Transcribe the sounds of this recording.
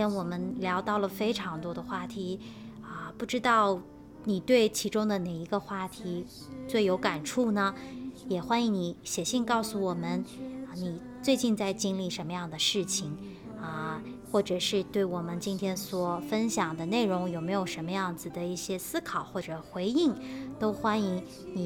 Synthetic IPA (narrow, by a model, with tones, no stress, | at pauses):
nwɔ˨˩mə˦nljɑ˧˥ʊt̪ɑ˥˩ʊlə˩fe˥ɪʈ͡ʂʰɑ˧˥ŋt̪wɔ˥d̪ə˧xwa˥˩t̪ʰi˧˥ | ə˧pu˥˩ʈ͡ʂɻ̩˥t̪ɑ˥˩ʊ | ni˨˩t̪we˥˩ɪt͡ɕʰi˧˥ʈ͡ʂʊ˥ŋd̪ə˨ne˨˩ɪi˧˥ɡə˧xwa˥˩t̪ʰi˧˥ | t͡swe˥˩ɪjo˧˥ʊka˨˩nʈ͡ʂʰu˥˩nə˩jɛ˨˩xwa˥ni˧˥ŋni˧˥ɕjɛ˨˩ɕi˥˧ŋkɑ˥˩ʊsu˨wɔ˨˩mə˦nə˧ni˨˩ | t͡swe˥˧ɪt͡ɕi˥˧nt͡sa˥˩ɪt͡ɕi˥nli˥˩ʂə˧˥nmə˧jɑ˥˩ŋd̪ə˩ʂɻ̩˥˩t͡ɕʰi˨˩ŋ | ə˧ | xwɔ˥˩ʈ͡ʂɤ˨˩ʂɻ̩˥˧t̪we˥˩ɪwɔ˨˩mə˦nt͡ɕi˥nt̪ʰjɛ˥nswɔ˨˩fə˥nɕjɑ˨˩ŋd̪ə˦ne˥˩ɪɻʊ˧˥ŋjo˨˩ʊme˧˥ɪjo˨˩ʊʂə˧˥nmə˧jɑ˥˩ŋd͡zɹ̩˨˩d̪ə˩i˥˩ɕjɛ˥sɹ̩˥kʰɑ˨˩ʊxwɔ˥˩ʈ͡ʂɤ˨˩xwe˧˥ɪi˥˩ŋt̪o˥ʊxwa˥ni˧˥ŋ | ni˨˩